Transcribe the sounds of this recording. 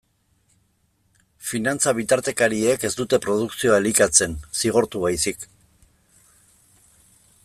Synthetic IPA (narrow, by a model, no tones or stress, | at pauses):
finant͡saβ̞it̪aɾt̪e̞kaɾie̞ke̞zd̪ut̪e̞pɾo̞ð̞uksio̞aelikat͡se̞nsiɣ̞o̞ɾt̪uβajsik